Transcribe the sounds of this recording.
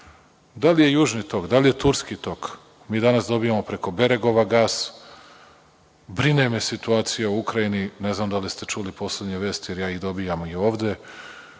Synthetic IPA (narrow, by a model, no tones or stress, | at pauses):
d̪alije̞juːʒnit̪o̞kd̪alije̞t̪uɾskit̪o̞k | miːd̪anasd̪o̞bijamo̞pɾe̞ko̞be̞ɾe̞ɡo̞ʋaɡaːs | bɾinemesit̪uaːt̪sijauukɾajinine̞znamd̪alist̪e̞t͡ʃuːlipo̞slʲed̪ɲeʋeːst̪ije̞ɾjaːiɣd̪o̞bijamojeo̞ːʋd̪e̞